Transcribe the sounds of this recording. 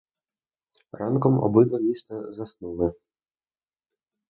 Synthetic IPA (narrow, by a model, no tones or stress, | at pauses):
ɾankɔmʔɔ̰bɪd̪lˠɔmʲist̪ɛzasnulɛ